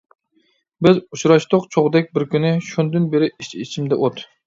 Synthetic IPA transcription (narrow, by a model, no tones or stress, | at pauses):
bɪzut͡ʃɾɑʃt̪ʊqt͡ʃʰoʁd̪ɛk̚ʲbɪɾkʲynɪʃund̪ɨnbeɾɪit͡ʃʰit͡ʃʰimd̪ɛ̰ʔot̪